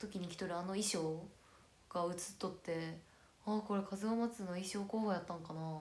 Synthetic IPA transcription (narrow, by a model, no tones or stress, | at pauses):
t̪o̞kʲiɲ̟ikʲi̥t̪oɾɯ̟ano̞iɕo̞ː | ɡ̥aɯ̟t͡sɨ̥t̪ːo̞t̪ːe̞ | ako̞ɾe̞kʰazɨɡamat͡sɨno̞iɕo̞ːkoːβajat̪ːãŋkana